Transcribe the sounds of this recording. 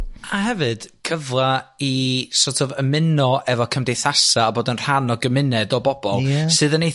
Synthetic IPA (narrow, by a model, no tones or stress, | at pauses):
ahɛvɨd̥kʰəvlˠaisɔtʰɔvəmɪnɔʔɛvɔkʰəmdejθasaːboːdənr̥anɔɡəmɪnɛdɔbɔb̥ɔlˠsɨðənej